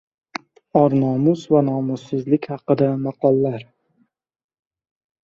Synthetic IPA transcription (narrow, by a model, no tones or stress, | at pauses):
ɒɾnɒmʊsvanɒmʊsːɪzlɪkʲhɑqɨd̪amɑqʰɒlˠːaɾ